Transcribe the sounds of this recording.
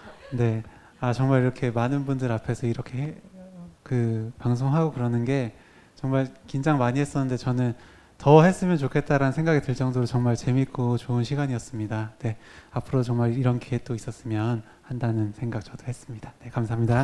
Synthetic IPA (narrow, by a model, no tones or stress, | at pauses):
ne̞ | at͡ɕʌŋmaɾiɾʌkʰe̞manɯnbundɯɾapʰe̞sʰʌiɾʌkʰe̞ɦe | kɯpaŋs̬ʰoŋɦaɡokɯɾʌnɯnɡe̞ | t͡ɕʌŋmaɭkind͡ʑaŋmaɲiɦe̞s͈ʌnːɯnde̞t͡ɕʌnɯn | tʌɦe̞s͈ɯmjʌnt͡ɕokʰe̞t̚t͈aɾanɯnsʰe̞ŋɡaɡitɯɭt͡ɕ͈ʌŋdoɾot͡ɕʌŋmaɭt͡ɕe̞mik͈ot͡ɕoɯnɕʰiɡaɲijʌs͈ɯmɲidane̞apʰɯɾoot͡ɕʌŋmaɾiɾʌnkiek̚t͈ois͈ʌs͈ɯmjʌn | handanɯnsʰe̞ŋɡak̚t͡ɕʌd̥ohe̞s͈ɯmɲid̥ane̞kamsʰaɦamɲida